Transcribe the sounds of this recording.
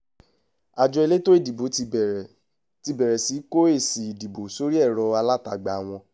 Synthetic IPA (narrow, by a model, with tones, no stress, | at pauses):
a˨d͡ʒɔ˧e˧le˦to˦e˦˨di˨bo˨˦˧ | ti˧bɛ˨ɾɛ˨si˨˦ko˦e˦˨si˨i˨di˨bo˨so˨˦ɾi˦ɛ˦˨ɾɔ˧a˧la˦ta˨ɡ͡ba˨˦w̃ɔ̃˧